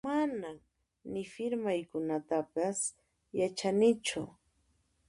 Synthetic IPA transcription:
manam | nɪfɪɾmajkʊnat̪apas | jat͡ʃanɪt͡ʃʊ̰

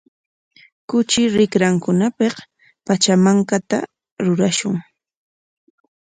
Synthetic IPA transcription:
kʊt͡ʃɪɾɪkɾaŋkʊnapeq | pat͡ʃamaŋkat̪a̰ | ɾʊɾaʃʊŋ

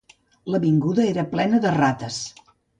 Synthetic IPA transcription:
ləβiŋɡuðəeɾəplɛnəðərat̪əs

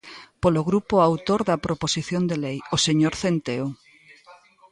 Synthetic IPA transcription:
poloɣɾupoawt̪oɾðɐpɾoposiθjond̪elejoseɲoɾθent̪eo

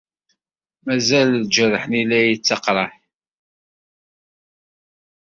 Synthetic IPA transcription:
mæzælld͡ʒərːəħənilæjət͡sːɑqɾˤɑħ

